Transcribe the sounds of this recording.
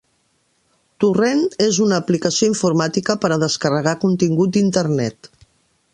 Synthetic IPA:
t̪urenezunəːplikəsioiɱfuɾmat̪ikəpəɾəðəskərəɣ̞akunt̪iŋɡut̪̚d̪int̪əɾnɛt̪

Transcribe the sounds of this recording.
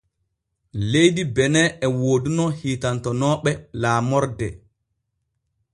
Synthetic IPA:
lejdibɛnɛɛwoːdunɔhiːtantɔnɔːɓɛlaːmɔɾdɛ

